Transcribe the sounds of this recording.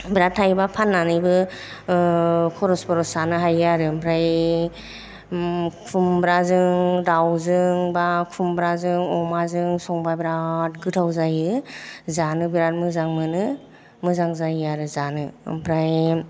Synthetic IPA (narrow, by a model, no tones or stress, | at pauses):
biɾatʰːajbapʰanːanɯbɯ | kʰɔɾɔspɔɾɔsanɯɦajaɾɯmbʰɾaj | kʰumbɾazɯŋdawzɯŋbakʰumbɾazɯŋɔmazɯŋsɔŋbajbiɾat̚ɡɯtʰawzajɯzanɯbiɾat̚mɯzaŋmɯnɯ | mɯzaŋzajaɾɯzanɯbɾaj